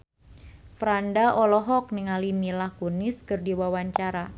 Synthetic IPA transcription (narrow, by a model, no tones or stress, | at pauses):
fɾandaʔɔlɔɦɔk̚nɪŋalimilahkunɪskɨrdiwawaɲt͡ʃaɾa